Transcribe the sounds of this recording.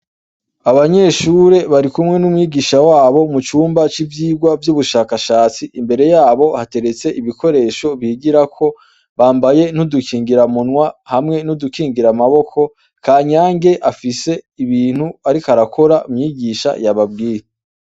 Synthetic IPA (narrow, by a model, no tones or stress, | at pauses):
aβaɲe̞ʃuɾe̞βaɾikumŋe̞numŋiːɡiːʃawaːβo̞mut͡ʃuːmbat͡ʃivjiːɡwavjuβuʃakaʃaːt͡siʔimbe̞ɾe̞jaːβo̞hate̞ɾe̞t͡se̞ʔiβiko̞ɾe̞ːʃo̞βiːɡiɾakʰo̞ | βaːmbaje̞n̥udukiːŋɡiɾamunŋwahamŋe̞nudukiːŋɡiɾamaβo̞kʰo̞ | kʰaːɲaːŋɡe̞ʔafise̞iβiːn̥huaɾikaɾakʰo̞ɾaʔumɲiːɡiʃa̰jaβabɡiːjee